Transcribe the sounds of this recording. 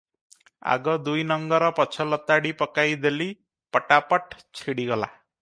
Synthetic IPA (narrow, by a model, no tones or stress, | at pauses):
a̰ɡɔd̪ujnʌŋɡɔɾɔpɔt͡ʃʰɔlɔt̪aɽipɔkajd̪eli | pɔʈapɔʈt͡ʃʰiɽiɡʌla̰